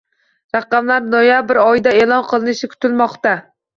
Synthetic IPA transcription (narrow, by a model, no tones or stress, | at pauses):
ɾɑqɑmlaɾnojabɪɾɒjd̪ae̞lˠɒnqʰɨlˠɪnɪʃɪkʰʊ̥t̪ʰɪlmɒqt̪a